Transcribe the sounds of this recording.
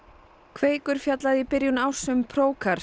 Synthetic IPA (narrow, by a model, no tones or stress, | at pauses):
kʰveːjkʏɾ̥fjat̪laðɪipɪɾjʏnawsʏmpʰɾoːwkʰaɾ̥